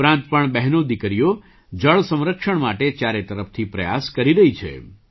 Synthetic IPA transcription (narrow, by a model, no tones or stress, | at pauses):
ɾãnt̪̚pəɳbɛɦnod̪ikɾijo | d͡ʒəɭsə̃mɾəkʃəɳmaʈet͡ʃjaɾet̪əɾəfʰt̪ʰipɾə̰ja̰skəɾiɾəɦit͡ʃʰḛ